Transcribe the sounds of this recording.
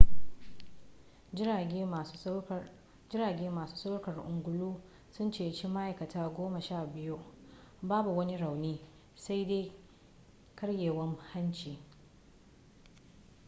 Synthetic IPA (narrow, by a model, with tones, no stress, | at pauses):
d͡ʒɪ˦ɾaː˨ɡʲeː˦maː˨su̥ː˦sa˦wɽkɐ˨rʔʊ˨ŋɡʷʊ˨luː˦ | sʊ˦nt͡ʃeː˨t͡ʃi˦ma˦ʔa˨jkɐ˨taː˦ɡʷoː˦ma˨ʃaː˦˨bɪ˦ju˦ʔ | baː˦bu˨wɐ˦ni˦ɽa˨wniː˦ | sa˦jde˦j | kɐ˦ɽjeː˨wɐ˦ŋha˦nt͡ʃiː˨